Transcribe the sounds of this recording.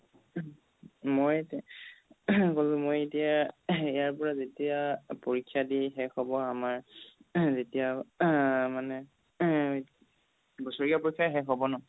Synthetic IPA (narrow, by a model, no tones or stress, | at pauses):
mojt | kolʊ̃mojetijaijaɹpɔɹazetijapoɹikʰːjadiɦɛxɔbɔamaɹ | zetija | manɛ | bɔsoɹiapoɹikʰːjaiɦɛxɔbɔnɔ